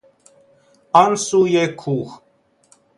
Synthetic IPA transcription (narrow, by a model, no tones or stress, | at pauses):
ɑnsujɛkʰuχ